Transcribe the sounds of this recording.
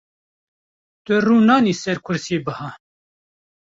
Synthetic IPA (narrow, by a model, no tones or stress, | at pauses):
t̪ɨruːnɑːniːsɛɾkʰʊɾsjeːbɨhɑː